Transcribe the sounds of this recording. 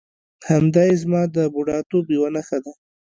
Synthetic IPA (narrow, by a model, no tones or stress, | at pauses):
hamd̪ɑjezmɑd̪əbuɖɑt̪obiwanaxad̪a